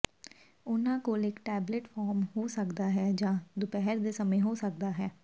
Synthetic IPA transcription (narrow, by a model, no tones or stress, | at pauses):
ʊnãːkoːlɪkʈɛːbleʈfʰaːɾmɦoːsəkd̪aːɦɛːd͡ʒãːd̪ʊpɛɦɛɾd̪eːsəmẽɦoːsək̚d̪aːɦɛː